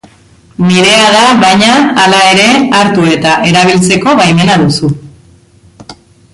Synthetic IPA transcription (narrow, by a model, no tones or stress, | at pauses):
niɾe̞aðaβajɲaːlae̞ɾe̞aɾt̪ue̞t̪aʔe̞ɾaβ̞ilt͡se̞ko̞βajme̞naðusu